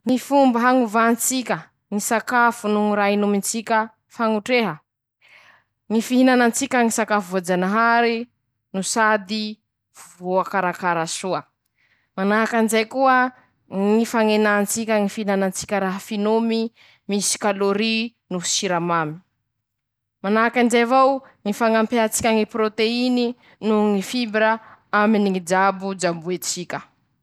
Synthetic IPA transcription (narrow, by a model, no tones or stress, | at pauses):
ŋifumbəɦaŋuvant͡sikʲə | ŋisakafunuɾajnumint͡sikʲə | faŋuʈ͡ʂeɦə | ŋifiɦinanant͡sikʲəŋisakafuvod͡zanaɦaɾi | nusad̪i | vvoakaɾakaɾasuə | manaɦakanizajkuə | ŋifaŋenant͡sikʲəŋifinanant͡si̥kʲəɾaɦafinomi | misi̥kaloɾi | nusiɾamami̥ | manaɦakand͡ʒevawŋifaŋampeat͡si̥kʲaŋipɾot̪eini | nuŋifibɾəaminiŋid͡ʒabud͡ʒambuet͡sikʲə